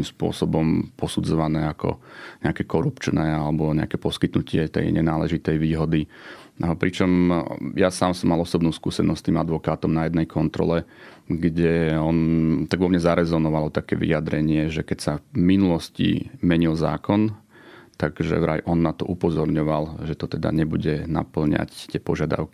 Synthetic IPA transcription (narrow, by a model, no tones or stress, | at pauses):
kimspʊɔ̰sɔbɔmpɔsud͡zɔʋanɛːakɔ̰ɲɛakɛːkɔɾupt͡ʃnɛːalɛbɔɲɛa̰kɛpɔskit̪nucɪɛt̪ɛ̰jɲɛ̰naːlɛʒit̪ɛjʋiːɦɔd̪i | pɾit͡ʃɔmjasaːmsɔmːalɔsɔbnuʊskuːsɛnɔst̪iːmad̪ʋɔkaːt̪ɔmnajɛd̪nɛjkʰɔnt̪ɾɔ̰lɛ | ɡɟɛɔnt̪aɡʋɔmɲɛzaɾɛzɔnɔʋalɔt̪akɛ̰ːʋḭjad̪ɾɛɲɪɛʒɛkɛcsaminulɔscḭmɛɲilza̰ːkɔn | t̪aɡʒɛ̰ʋɾa̰jʔɔnːat̪ɔʔupɔzɔɾɲɔʋalʒɛt̪ɔt̪ɛd̪a̰ɲɛbuɟɛna̰pl̩ɲa̰ct̪ɪɛpɔʒɪad̪a̰ʊki